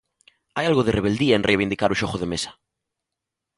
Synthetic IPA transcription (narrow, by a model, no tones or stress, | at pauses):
ajalɣoðereβ̞eld̪iaẽnrejβ̞ind̪ikaɾuʃoχoð̞emesḁ